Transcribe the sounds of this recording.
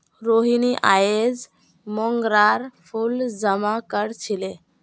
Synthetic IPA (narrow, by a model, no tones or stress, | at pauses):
ɾoɦiniʔajed͡z | mɔŋɡɾaɾpʰuld͡zəmakəɾt͡ɕʰile